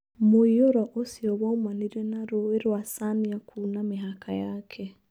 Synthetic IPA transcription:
moijoɾaʔosiɔwaumaniɾɛnaɾoeɾwasaniakʰunamɪɦakʰajaːkʰɛ

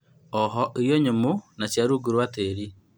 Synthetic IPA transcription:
ɔɦɔʔeɾjɔɲomonat͡ʃjaɾuɡuɾwateɾi

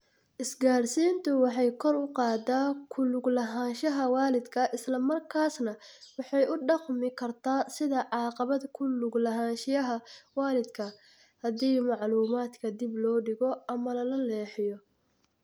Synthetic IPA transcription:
ʔɪsɡaːrsiːnt̪ʰʊwɑħɑjkʰɔrʊqɑːd̪aːkʰʊlʊɡlɐɦaːnʃɐɦɐwɑːlɪd̪kʰɐʔɪslɐmɐrkʰaːsnɐwɑħɑjʊɖɑqmɪkʰɐrt̪ʰaːsɪðɐʕɑːqɑβɐd̪kʰʊlʊɡlɐɦaːnʃɪjɐɦɐwɑːlɪd̪kʰɐ | hɐðiːmɑʕluːmaːd̪kʰɐd̪ɪblɔːɖɪɣɔɐmɐlɐlɐlɛːħɪjɔ

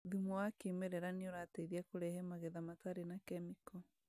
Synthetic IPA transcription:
ðimɔwakimeɾɛɾaneoɾaːteiɾiakoɾɛɦɛmaɣeðamataɾenakɛmikɔ

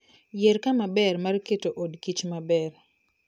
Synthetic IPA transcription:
jeɾkamabɛrmarketoʔodkit͡ʃmabɛr

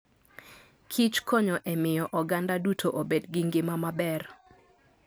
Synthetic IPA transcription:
kʰit͡ʃkʰɔɲɔʔɛmɪjɔʔɔɡandadutʰoʔobedɡɪŋɡɪmamabɛr

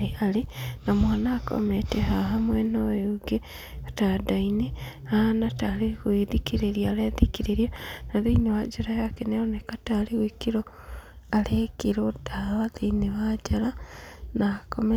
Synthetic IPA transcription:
alinamwaːnaːko̰metehaɦamwenojuɡe | atadaine | anataliɣwiðikiɾeɾjaaleðikiɾiɾjanaðiiɲoad͡ʒaɾajakeneonekataliɣwikiɾo | alekiɾodalaðineβad͡ʒalanakome

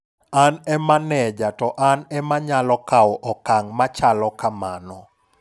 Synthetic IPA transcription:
anɛmanɛd͡ʒatɔʔanɛmaɲalɔkawɔʔɔkaŋmat͡ʃalɔkamanɔ

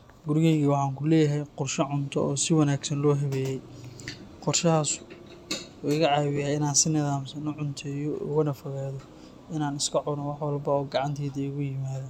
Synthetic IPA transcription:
ɡʊɾɪɣɛːɣiːwɑħɑːŋkʰʊlɛːjɐɦɛjqɔrʃɐʕʊnt̪ʰɔ̰ɔːsɪwɑnaːɡsɐnlɔːɦɛβɛːjɛj | qɔrʃɐhaːsʊ̥ | uɪɣɐʕɑːβɪjaːɪnaːnsɪnɪðaːmsɐnʊʕʊnt̪ʰɛjɔ̰wɐnɐfɐɣaːðɔ | ʔɪnaːnɪskʰɐʕʊnɔwɑħwɑlbɐɔːɡɑʕɑnt̪ʰɛːðɐiɣʊjɪmaːða

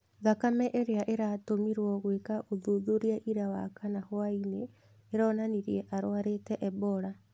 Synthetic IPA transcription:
ðakamɛʔeɾeaʔeɾatomiɾwɔɣwekaʔoðuðoɾiaʔiɾawa̰kanahoaineː | ɾɔːnaniɾiɛʔaɾoaɾetɛʔɛβɔɾa

